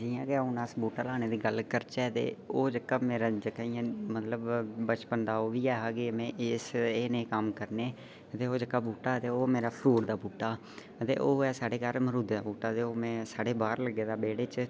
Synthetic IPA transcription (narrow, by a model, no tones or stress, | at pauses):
d͡ʒijãːkeonaːsbuːʈaːlaːneːd̪iːɡəlkəɾt͡ʃɛːt̪ḛːoːd͡ʒəkːaːmeːɾaːd͡ʒəkːaːijãːmət̪ləbbət͡ʃpənd̪aːoːʋiːɛːɦaːkemɛ̃ːʔɪseːnẽːkəmkəɾneː | t̪eːoːd͡ʒəkːaːbuːʈaːt̪eːoːmeːɾaːpʰɾuːɽd̪aːbuːʈːaː | ət̪ḛːʔoːɛːsaːɽeːkəɾməɾuːd̪d̪aːbuːʈaːt̪eːoːmɛ̃ːsaːɽeːbaːɾləɡːeːd̪aːbeːɽet͡ʃ